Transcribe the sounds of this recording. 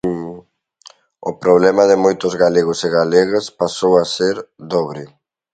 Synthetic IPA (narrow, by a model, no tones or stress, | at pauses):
ʊpɾoβlɛmaðɪmojt̪ʊzɣaleɣoseɣalɛɣaspasowaseɾd̪ɔβɾɪ